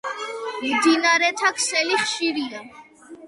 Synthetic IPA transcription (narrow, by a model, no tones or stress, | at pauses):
ɾid̪inaɾɛt̪ʰakʰsɛliχʃiɾia